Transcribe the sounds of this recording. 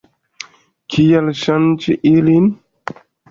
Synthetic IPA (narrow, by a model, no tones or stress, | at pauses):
kʰijalɕant͡ʃʰiʔilin